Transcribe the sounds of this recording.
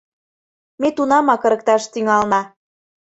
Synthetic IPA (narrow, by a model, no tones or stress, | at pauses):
met̪unɑmɑkɤ̆ɾə̆k̚t̪ɑʃt̪yŋɑlnɑ